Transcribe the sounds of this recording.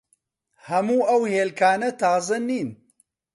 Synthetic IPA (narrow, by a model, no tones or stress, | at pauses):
hɐmuːɐwheːlkʰaːnɐt̪aːzɨnːiːn